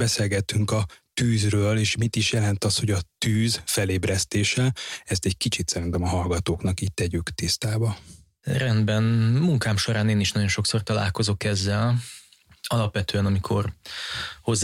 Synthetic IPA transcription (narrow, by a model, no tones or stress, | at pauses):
bɛseːlɡɛt̪ːyŋkɒt̪yːzrøːleːʃmit̪iʃjɛlɛnt̪ɒsho̞ɟɒt̪yːzfɛleːbɾɛst̪eːʃɛlɛst̪ɛɟkit͡ʃit̪sɛɾint̪ɛmɒɦɒlɡɒt̪oːknɒkiːtt̪ɛɟykt̪ist̪aːbɒ | rɛnd̪bɛnmuŋkaːmʃo̞ɾaːneːniʃnɒɟo̞nʃo̞kso̞rt̪ɒla̰ːlko̞zo̞kɛzːɛl | ɒlɒpʋɛt̪øːɛnɒmikʰo̞̰r | ho̞zː